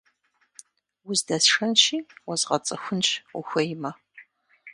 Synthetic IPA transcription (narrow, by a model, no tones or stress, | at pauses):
wʊzdɐsʂɐnʃiːwɔzʁɐt͡sʼɨxʷʊnt͡ʃʼʊ̰xʷɐjmɐ